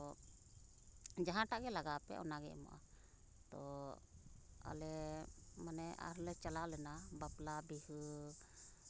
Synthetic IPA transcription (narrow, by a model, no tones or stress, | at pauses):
ɔ | d͡ʒaɦãʈaʔɡɛlaɡapɛ̰ʔɔ̰naɡɛ̰ʔmɔ̰ʔa̰ | t̪ɔ | a̰lɛmanɛʔa̰ɾlɛt͡ʃalalɛnabaplabih